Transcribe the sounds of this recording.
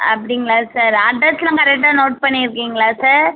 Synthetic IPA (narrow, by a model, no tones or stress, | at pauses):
ɐpːɐɽɪŋɡɐɭaːsaːɾɐɖːɐt̪ɪlãːkɐɾɛk̚ʈːaːnoːʈ̚pɐɳːiɾɯkːiːŋɡɐɭaːsaːɾ